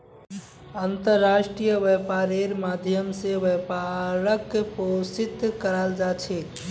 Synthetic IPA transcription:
ənt̪əɾːaʃʈɾijəʋɛpaɾeɾmad̪ʱjəmseʋepaɾəkːposit̪kəɾald͡ʒat͡ʃʰe

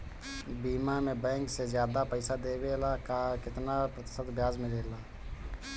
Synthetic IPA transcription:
biːmamẽbɛ̃ːŋksed͡ʒjaːd̪apəɪsad̪eːbelakakɪt̪napɾət̪ɪ̥sət̪bʱjaːzmeɾela

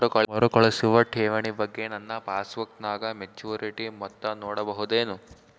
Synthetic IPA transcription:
ɾukɔɭɐɾukɔɭɐsiʋɐʈʰɛːʋɐɳibɐɡːe̞nɐnːɐpaːsʋɐk̚t̪naːɡɐmed͡ʒuːɾiʈimɔt̪ːɐnɔːɽɐbɐɦud̪eːnu

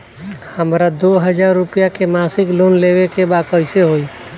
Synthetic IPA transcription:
həmɾad̪oɦəd͡ʒaɾːupijakemasɪklonleʋekebakəɪseɦoi

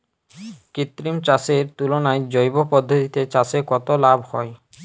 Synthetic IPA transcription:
kit̪ːɾimt͡ɕaseɾt̪ulonaed͡ʑojbopɔd̪ʱːot̪it̪et͡ɕasekɔt̪olabʱhɔe

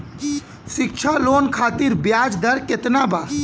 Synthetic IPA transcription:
ʃɪkt͡ʃʰaloːnkʰaːt̪iɾbjaːd͡ʒd̪ɐɾket̪naba

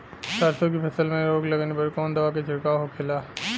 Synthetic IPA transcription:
saːɾt̪ʰokipʰɐsəlmẽɾoːɡlɐɡnepɐɾkɔːnd̪ɐʋaket͡ʃɪɽkaɦokʰɪlaː

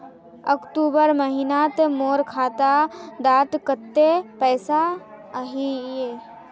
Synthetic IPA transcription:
əkʈ̪uːbəɾməɦinat̪moːɾkʰaːt̪ad̪aːt̪kət̪ːepɛːsa | əɦie

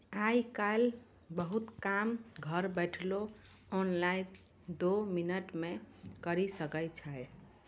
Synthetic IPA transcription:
ajkal | bəɦut̪kamɡʱəɾbɛʈʰloonlai | d̪ominəʈmekəɾisəkət͡ʃʰaj

